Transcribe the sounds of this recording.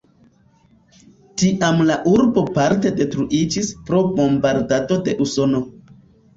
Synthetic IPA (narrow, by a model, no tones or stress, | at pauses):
tiʔamlaʔuɾbo̞paɾte̞de̞tɾuʔid͡ʒispɾo̞bo̞mbaɾdato̞de̞ʔuso̞no̞